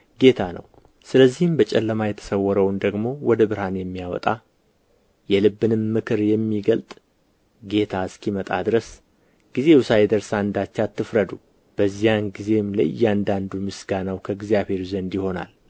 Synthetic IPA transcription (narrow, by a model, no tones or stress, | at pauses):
ɡe̞t̪ʰanə̰w | sɨləzːihɨmbət͡ʃʼɛlːəmajɛt̪ʰə̥səwːɔɾəwnd̪əɡmo̞wɔd̪əbɨɾhanjɛmːijawɔ̰t̪ʼa | jɛlɨbːɨnɨmːɨkʰɨɾjɛmːiɡəlt̪ʼ | ɡe̞t̪ʰaɨskʰimət̪ʼad̪ɨɾəs | ɡ̥ize̞wʊsajɛd̪əɾsaɨnd̪at͡ʃːat̪ːɨfɾəd̪u | b̥əzːijanɡize̞mla̰jːɛand̪and̪umɨsɡanawkʰəɡzijaβhe̞ɾuzənd̪jɪho̞na̰l